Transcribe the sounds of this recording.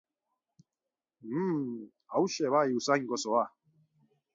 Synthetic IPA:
m̩ | awʃɛβaiusaɲɡɔsɔa

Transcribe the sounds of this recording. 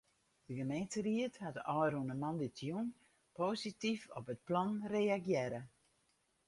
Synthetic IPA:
d̥əɡəmejntəriəthadəʔɔwɾunəmanditʰjun | poːsitifɔ̰pət̚plɔnreːaɡjɛɾə

